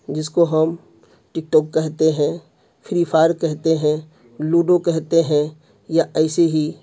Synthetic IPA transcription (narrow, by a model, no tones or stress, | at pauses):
d͡ʒɪskoɦɐm | ʈɪk̚ʈɔːkːɛɦt̪eɦɛ̃ | fʰɪɾiːfʰaːɾkɛɦt̪eɦɛ̃ | luːɖokɛɦt̪eɦɛ̃ | jaʔɛːseɦi